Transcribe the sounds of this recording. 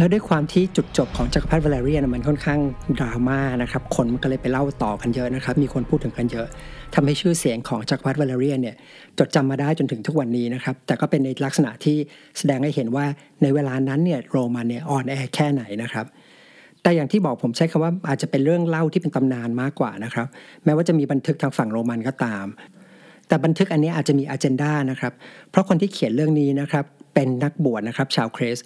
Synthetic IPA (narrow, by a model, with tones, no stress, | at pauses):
lɛ˦˥du˥˩jkʰwaː˧mt̪ʰiː˥˩t͡ɕu˨˩t̪̚t͡ɕo˨˩p̚kʰɔː˩˦ŋt͡ɕa˧˩ka˧pʰa˦˥t̪̚wa˧leː˧ɾiː˥˩˨n˧˥˩ma˧nkʰɔ˥˩nkʰaː˥˩ŋdaː˧wmaː˥˩na˦˥kʰɾa˦˥p̚kʰo˧nma˧nkɔ˥˩ɤː˧jpa˧jla˥˩wt̪ɔː˨˩ka˧njɤ˦˥ʔna˦˥kʰɾa˦˥p̚miː˧kʰo˧npʰuː˥˩t̪ʰːɯ˩˦ŋka˧njɤ˦˥ʔt̪ʰa˧mha˥˩jt͡ɕʰɯː˥˩si˨˩˦ŋkʰɔː˩˦ŋt͡ɕa˧˩ka˧pʰa˦˥t̪̚wa˧leː˧ɾi˥˩əni˥˩ɐ | t͡ɕo˨˩t̪̚t͡ɕa˧mːaː˧daː˥˩jt͡ɕo˧nt̪ʰɯ˩˦ŋt̪ʰu˦˥k̚wa˧nːiː˦˥na˦˥kʰɾa˦˥p̚t̪ɛː˨˩kɔː˥˩pe˧nːa˧jla˦˥k̚sa˧na̰˨˩ʔt̪ʰiː˥˩sa˧dɛː˧ŋha˥˩jhe˩˦nwaː˥˩ | na˧jweː˧laː˧na˦˥nːi˥˩ɐɾoː˧ma˧nːi˥˩ɐʔɔː˨˩nʔɛː˧kʰɛː˥˩na˩˦jna˦˥kʰɾa˦˥p̚ | t̪ɛː˨˩jaː˨˩ŋt̪ʰiː˥˩bɔː˨˩k̚pʰo˩˦mt͡ɕʰa˦˥jkʰa˧mwaː˥˩ʔaː˨˩t̪̚t͡ɕa˨˩pe˧nɾɯ˥˩əŋla˥˩wt̪iː˥˩pe˧nt̪a˧mnaː˧nmaː˥˩kːwa̰ː˨˩na˦˥kʰɾa˦˥p̚mɛː˦˥waː˥˩t͡ɕa˨˩miː˧ba˧nt̪ʰɯ˦˥k̚t̪ʰaː˧˥ŋfa˨˩ŋɾoː˧ma˧nkɔː˥˩t̪aː˧m | t̪ɛː˨˩ba˧nt̪ʰɯ˦˥k̚ʔa˧nːi˦˥ʔaː˨˩t̪t͡ɕa˨˩miː˧ʔaː˧t͡ɕe˧ndaː˥˩na˦˥kʰɾa˦˥p̚ʰɾɔ˦˥kʰo˧nt̪ʰiː˥˩kʰi˨˩˦nɾɯ˥˩əŋniː˦˥na˦˥kʰɾa˦˥pːe˧nːa˦˥k̚bu˨˩ət̪̚na˦˥kʰɾa˦˥p̚t͡ɕʰaː˧wkʰɾeː˦˥s